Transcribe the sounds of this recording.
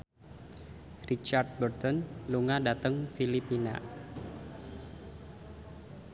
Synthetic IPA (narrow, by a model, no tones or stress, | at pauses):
rit͡ʃard̚bərt̪ɔnluŋadat̪əŋfilipina̰